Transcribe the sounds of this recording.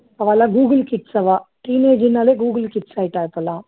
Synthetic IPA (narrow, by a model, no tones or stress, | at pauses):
ɐʋalaɡuːɡəlkiʈsɐʋaʈiːneːd͡ʒinːaleɡuːɡlkiʈsajiʈaːjt̪ola